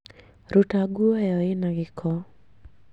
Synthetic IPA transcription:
ɾutaɡuoɛjɔɪnaɡɪkʰɔ

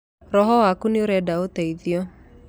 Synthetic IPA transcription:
ɾɔɦɔwakuneoɾɛdaotaiðjɔ

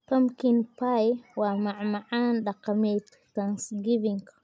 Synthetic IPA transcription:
pamkinpajwamaʕmaʕanɗaqːamet | tansɡiviŋk

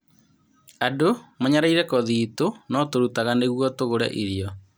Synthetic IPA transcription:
adomaɲaɾaiɾɛkɔðiːtonɔtoɾutaɣaneɣwɔtoɣoɾɛ̰ʔiɾiɔ

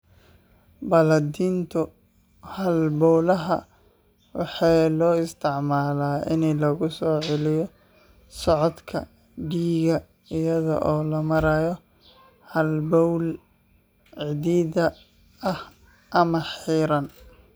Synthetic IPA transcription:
bɐlɐd̪iːnt̪ʰɔ | hɐlbɔwlɐɦɐ | wɑ̰ħɑjlɔːɪst̪ʰɪʕmaːlaːʔɪnɛlɔɣʊsɔːʕɪlɪjɔ | sɔʕɔd̪kʰɐ̰ | ɖiːɣɐ | ɪjɐðɐ̰ʔɔːlɐmɐɾajɔ | hɐlbɔwl | ʕɪðiːðɐ | ɐh | ʔɐmɐħiːɾɐn

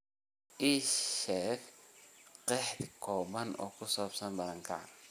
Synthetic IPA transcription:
ʔiːʃɛːk | qɛħt̪kʰɔːbɐnʔɔ̰ːkʰʊsɔːbsɐnbɐlɐŋkʰɐ̰ʕa̰n

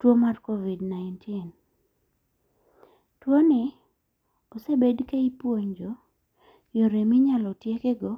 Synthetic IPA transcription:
twomarkovidnaɪntʰɪn | twonɪ | osebedkeipwoɲd͡ʒo | joɾemɪɲalɔtjekeɡɔ

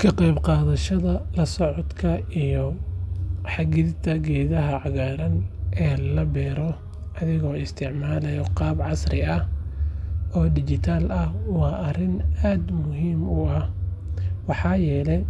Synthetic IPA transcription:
kʰɐqɑjbqɑːðɐʃɐðɐlɐsɔʕɔd̪kʰɐijɔ | ħɑɣɪðt̪ʰɐɡɛːðɐɦɐʕɑɣaːɾɐnʔɛːlɐbɛːɾɔ | ʔɐðɪɣɔːɪst̪ʰɪʕmaːlɛjɔqɑːbʕɑsrɪɐh | ʔɔːd̪ɪt͡ʃɪt̪ʰaːlɐhwɑːʔɐrɪnaːd̪mʊɦiːmʊɐh | wɑħɑːjɛːlɛj

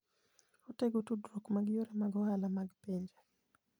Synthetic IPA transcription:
ɔteɡutudɾokmaɡjoɾamaɡɔhalamaɡpɛɲd͡ʒa

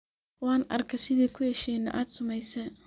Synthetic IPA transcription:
wɑːnɐ̰rkʰɛsɪðiːkʰʊhɛʃiːnɐʔaːd̪sʊmɛjsɛ

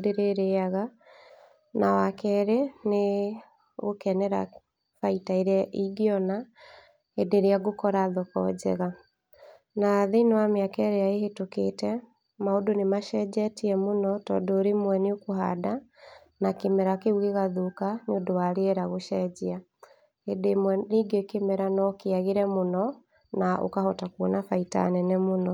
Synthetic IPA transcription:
deɾeɾeaɣa | nawakɛɾene | ɣokɛnɛɾa̰ | faitaeɾɛʔiɡeɔna | edeɾeaɡokɔɾaðɔkɔ̰d͡ʑɛ̰ɣa | naðenɔwameakɛɾeaeɦetoketɛ | maodonemaʃɛd͡ʑɛtiɛmonɔtɔ̰ːndɔːɾemwɛneokoɦa̰da | nakemɛɾakeuɣeɣaðukaneodowaɾeɛɾaɣoʃɛd͡ʑia | edemwɛniɡekemɛɾanɔkeaɣeɾɛmonɔ | nao̰kahɔtakuonafaita̰nɛnɛmonɔ

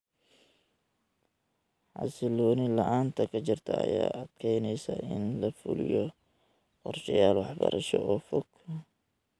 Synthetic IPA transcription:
ʕɑ̰sɪlɔːnɪlɐʔaːnt̪ʰɐkʰɐt͡ʃɪrt̪ʰɐɐja̰ːʔɐd̪̥kʰɛjnɛjsɐʔɪnlɐfʊ̰lɪ̰jɔ | qɔrʃɐjaːlwɑħbɐ̰ɾʔɐʃɔʔɔːfɔɡ

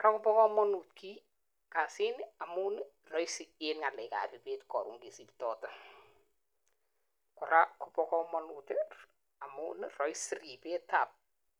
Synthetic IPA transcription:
kakopɔkɔmɔnutki | kasinɪamuːn | rɔisienŋalɛka̰ːpipetkɔɾṵŋɡisiptɔːta | kɔɾʔakɔpɔkɔmɔnutɪ | amunrɔjsripetap̚

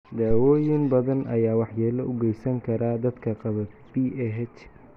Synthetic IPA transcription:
d̪aːwɔːjɪnbɐðɐnʔɐ̰jaːwɑħjɛːlɐʔʊɡɛjsɐŋkʰɐɾad̪ɐd̪kʰɐqɑβɐ | b̥iːʔɛɦɛt͡ʃ

